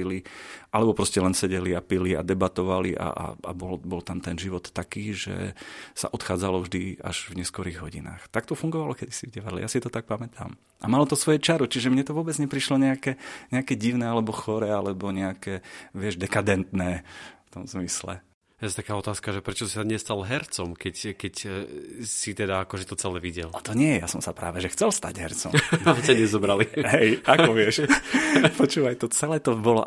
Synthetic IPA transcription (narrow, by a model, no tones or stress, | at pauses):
iliʔalɛbɔpɾɔscɛlɛnsɛɟɛliapilia̰d̪ɛbat̪ɔʋaliʔa̰ʔa̰a̰bɔlbɔlt̪amt̪ɛnʒiʋɔt̪ːakiːʒɛ̰sa̰ʔɔt̪xaːd͡zalɔvʒd̪ia̰ʒvɲɛskɔɾiːɣɦɔɟḭna̰ːxt̪ak̚t̪ɔfuŋɡɔʋalɔkɛd̪isivɟɛʋaɾlɛ̰jasit̪ɔt̪ak̚pamɛt̪ʰa̰m | ʔamalɔt̪ɔsʋɔjɛt͡ʃaɾut͡ʃiʒɛmɲɛt̪ɔʋʊɔːbɛd͡zɲɛpɾiʃlɔɲɛakɛɲɛakɛɟiʊnɛːalɛbɔxɔɾɛːalɛbɔɲɛakɛːʋɪɛʒd̪ɛkad̪ɛnt̪nɛːft̪ɔmzmislɛ̰ | ɛst̪akaːɔt̪aːskaʒɛpɾɛt͡ʃɔsi̥saɲɛst̪alɦɛɾt͡sɔmkɛckɛc | sit̪ɛd̪aakɔʒɛt̪ɔt͡sɛlɛʋiɟɛ̰lt̪ɔɲɪɛjɛjasɔmsapɾa̰ːʋɛʒɛxt͡sɛlst̪a̰ɟɦɛ̰ɾt͡sɔ̰mmt͡ɕaɲɛzɔbɾaliɦɛjakɔʋɪɛʃ | pɔt͡ʃuːʋajt̪ɔt͡sɛlɛt̪ɔbɔlɔ̰